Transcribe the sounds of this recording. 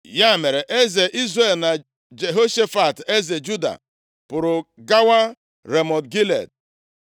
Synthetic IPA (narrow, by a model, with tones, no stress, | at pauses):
ja˦˨me˨ɾe˨ʔe˦ze˨ʔi˦zɾe˦˨lna˨ | d͡ʒe˨ɦo˦ʃe˦fa˨te˦ze˨d͡ʒu˦da̰˨ | pʊ˨ɾʊ˨ɡa˦wa˦ | ɾe˨mɔ˨dɡi˦lḛ˨d̚